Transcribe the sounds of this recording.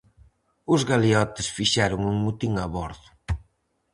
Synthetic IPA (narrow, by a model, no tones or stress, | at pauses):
ʊzɣaliɔt̪ɪsfiʃɛɾʊŋuŋmut̪iŋaβɔɾðʊ̥